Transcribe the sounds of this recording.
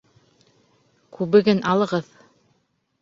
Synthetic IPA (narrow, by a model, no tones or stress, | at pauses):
kʉβɘ̆ɡɘnʔɑlˠɤ̆ʁɤð